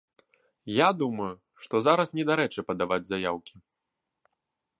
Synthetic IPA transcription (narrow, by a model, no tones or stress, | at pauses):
jad̪umɐju | ʂt̪ɔzaɾɐsnʲɛd̪aɾɛt͡ʂɨpɐd̪avad͡zʲzajawkʲʰi̥